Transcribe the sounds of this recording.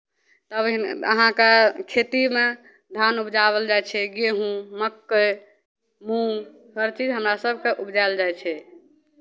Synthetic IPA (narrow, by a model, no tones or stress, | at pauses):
t̪əbə̰ɦãkekʰet̪ime | d̪ʱanubd͡ʒaβəld͡ʒajt͡ʃʰɛɡeɦũməkːə | mũ | həɾt͡ʃid͡ʒɦəmɾasəb̚ʱkeʔubd͡ʒaeld͡ʒajt͡ʃʰɛ